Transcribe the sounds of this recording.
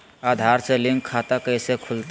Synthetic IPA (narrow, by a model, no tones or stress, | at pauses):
ad̪ʱaɾseliŋkʰːat̪akəɪsekʰult̪